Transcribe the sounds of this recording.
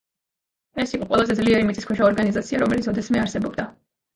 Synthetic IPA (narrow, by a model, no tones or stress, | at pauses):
ɛsiqʼɔqʼwɛlˠazɛd̪zliɛɾimit̪sʼiskʰɛʃaɔɾɡanizat̪sʰiaɾɔmɛlit̪ʰɔd̪ɛsmɛaɾsɛbɔbd̪a